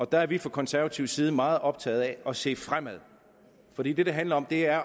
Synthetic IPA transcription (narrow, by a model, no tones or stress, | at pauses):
ɒ̽d̥ææɐʋifʁɑ̈kʰɒ̽nsæɐʋæt͡sʰiʊ̰siːð̞̩ˠəmɑ̈ːð̞̩ˠɒ̽b̥̚t͡sʰɛ̰ːð̞̩ˠæɒ̽se̝̰ːfʁam̰æð̞̰ˠ | fɒ̽d̥ḭːd̥e̝d̥eɦænlɐɒ̽md̥e̝æɐ